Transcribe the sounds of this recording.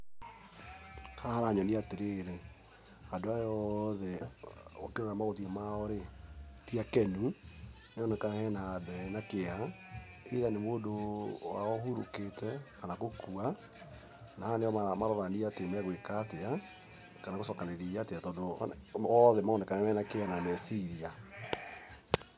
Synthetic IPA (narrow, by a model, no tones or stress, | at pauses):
kahaɾaɲɔniateɾeːɾe | adoajɔðɛ | o̰keɾoɾamaɣotiamaɔɾetiakɛnu | neɔnɛkahɛnadoɛnakea | eiðanemoːdowa̰ɔɦuɾo̰ketɛkanakokua | nahaneɔmamaɾɔɾaniatemɛɣwekatea | kanakosɔkaneɾiateatɔdo̰ɔðɛmaonɛkanɛwɛnakeanamɛsiɾia